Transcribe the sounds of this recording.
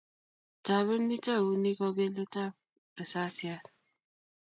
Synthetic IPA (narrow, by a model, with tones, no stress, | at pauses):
ta˨βə˦n̩˦ni˦ta˦˨u˦ni˦kɔ˦ɡe˦le˦ta˦p | e˨sa˦sja˦